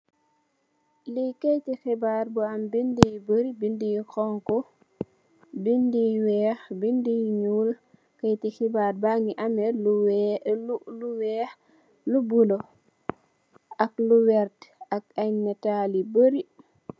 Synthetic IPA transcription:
likɛjtixɛbaɾbuɐmbindijbəɾibindijixɔŋkɔ | bindijwɛːxbindijɲuːl | kɐjtixibaːɾbaŋiʔɐmɛlu | luwɛːx | lubulo | ʔɐkluwɛɾtɐk̚ɐɲmɛtaːlibəɾi

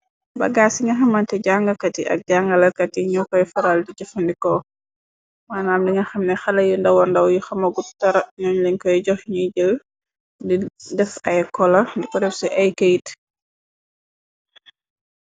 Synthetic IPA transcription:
bɐ̰ɡaːsiŋɡɐxɐmɐntɛɟaŋɡɐkɐtiʔɐ̰k̚ɟaŋɡɐlɐkɐtiɲukɔjfɐɾaldiɟɔfɐndikɔ | maːnaːmdiŋɡɐxɐmnɛxɐlɐjundɐwɔndɐwjuxɐmɐɡutɐɾɐɲɔɲliɲkɔjɟɔxɲujɟəl | didɛfɐjkɔlɐndikɔdɛfsɛʔɐjkejt

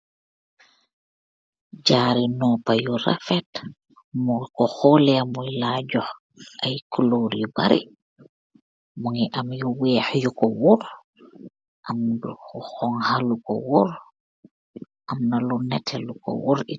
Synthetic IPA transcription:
d͡ʒaːɾinɔpajuɾa̰fɛt | mɔkɔxɔlɛamujlaːɟɔh | ʔajkuloɾjuba̰ɾḭ | muŋiʔamjuwɛːhjukɔwuɾ | ʔambḭkɔxɔŋhalukɔ̰wɔɾ | ʔamnalunɛtʰɛlukɔ̰wɔɾi

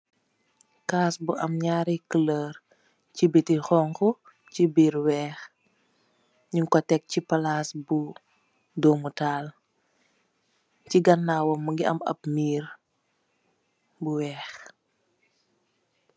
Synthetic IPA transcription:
kaːsbuʔɐmɲaːɾikələːɾ | cibitixɔːŋku | cibiːɾwɛːx | ɲiŋkɔtɛk̚cipalaːsbu | dɔːmutaːl | ciɡɐnːaːwɔmːuŋɡiɐ̰mɐ̰p̚miːɾ | buwɛːx

